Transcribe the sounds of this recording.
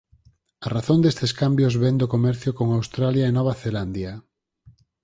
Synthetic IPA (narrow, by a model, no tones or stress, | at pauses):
araθõnd̪est̪eskambjozβend̪okomɛɾθjokoŋawst̪ɾaljaenɔβ̞aθeland̪ja